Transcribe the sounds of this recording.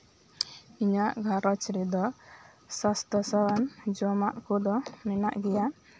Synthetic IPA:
iɲaʔɡʱaɾɔt͡ʃɾɛd̪ɔ | sast̪ɔsawand͡ʒɔmaʔkɔd̪ɔmɛna̰ʔɡɛja

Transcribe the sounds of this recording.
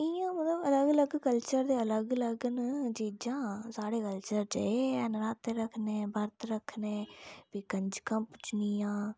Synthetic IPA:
ɪjãːmət̪ləbələɡələɡkəlt͡ʃəɾd̪eːələɡələɡnd͡ʒiːd͡ʒãːsaːɽeːkəlt͡ʃəɾd͡ʒəeːɛnɾaːt̪eɾəkʰneːbəɾt̪ɾəkʰneːbiːkəɲd͡ʒkə̃mpʊt͡ʃnijãː

